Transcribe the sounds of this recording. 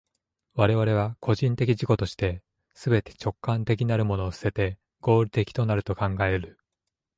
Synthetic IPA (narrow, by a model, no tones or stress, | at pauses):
βaɾe̞β̞aɾe̞β̞akʰo̞ʑĩnt̪e̞kʲiʑiko̞t̪o̞ɕi̥t̪e̞ | sɨbe̞t̪e̥t͡ɕo̞kːãnt̪e̞kʲinaɾɯ̟mo̞no̞ːsɨ̥se̞t̪e̞ | ɡ̥o̞ːɾʲit̪e̞kʲi̥t̪o̞naɾɯ̟t̪o̞kãŋɡae̞ɾɯ̟